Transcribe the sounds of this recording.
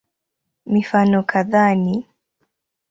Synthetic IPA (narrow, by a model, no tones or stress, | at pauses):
mifanɔkʰaðani